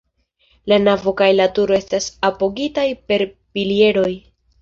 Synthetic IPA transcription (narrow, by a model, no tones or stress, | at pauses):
lanavo̞kajlatuɾo̞e̞stasapo̞ɡitajpe̞ɾ | pilie̞ɾo̞j